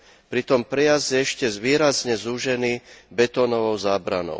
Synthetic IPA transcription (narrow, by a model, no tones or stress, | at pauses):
pɾit̪ɔmpɾɛjazjɛɛʃcɛzʋiːɾazɲɛzuʒɛniːbɛt̪ɔːnɔʋɔʊzaːbɾa̰nɔ̰ʊ